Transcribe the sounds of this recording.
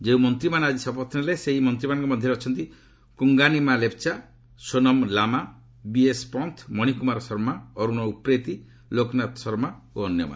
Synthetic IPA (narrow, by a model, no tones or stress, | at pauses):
d͡ʒeumɔnt̪ɾimanad͡ʒisɔpɔt̪ʰneleseɦimɔnt̪ɾimanɔ̃ŋkɔmɔd̪ʱjɔɾeɔt͡ʃʰɔnt̪i | kuŋɡanimalep̚t͡ʃa | sonɔmlama | biespɔnt̪ʰmɔɽ̃ikumaɾɔsɔɾmaɔɾuñɔupɾet̪i | loknat̪ɔ̥sɔɾma | oɔnjɔma̰n